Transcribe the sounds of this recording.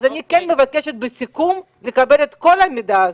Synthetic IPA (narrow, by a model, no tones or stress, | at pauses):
zanikɛnmevakeʃet̪̚besikum | lekabe̞let̪ko̞lamid̪a